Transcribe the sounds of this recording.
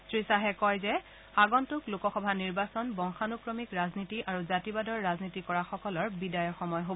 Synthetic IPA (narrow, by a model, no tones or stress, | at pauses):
sɹisaɦɛkɔjzɛ | xaɡɔntʊklukɔxɔbʱaniɹbasɔnbɔŋxanukɹɔmikɹaznitiʔaɹuzatibadɔɹːaznitikɔɹaxɔkɔlɔɹbidajɔxɔmɔjɦob